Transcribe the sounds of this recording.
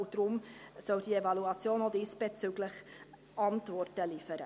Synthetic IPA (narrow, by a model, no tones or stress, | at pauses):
ud̥ɾʊmsœʊd̥ievɑluɑt͡sjoːnodisb̥et͡syɡləχ | ʔɑntvɔrtəlifəɾə